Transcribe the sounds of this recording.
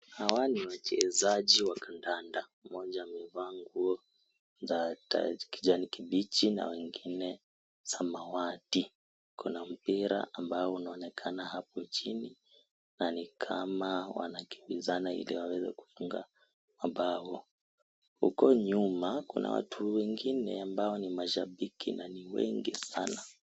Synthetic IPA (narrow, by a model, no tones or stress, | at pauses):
hawaniwat͡ʃɛzaʄiwakʰandandamɔʄamivaːŋɡuɔ | zata̰ki̥ʄanikiɓit͡ʃina̰wɛŋɡinɛ | samawati | kunam̩piɾa̰ambaɔunaɔnɛkʰanahapɔt͡ʃini | nanikʰamawa̰naki̥mbizanaḭliwawɛzɛ̰ku̥fuŋɡa̰ | maɓawɔ | hukɔɲumakuna̰wa̰tʰuwɛŋɡinɛambaɔnimaʃaɓikʰinaniwɛ̰ŋɡisana